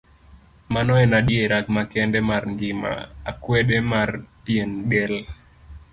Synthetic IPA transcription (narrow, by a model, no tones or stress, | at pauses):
manɔɛnaɗjeɾakmakɛndɛmarŋɡɪma̰a̰kweɗemarpienbɛl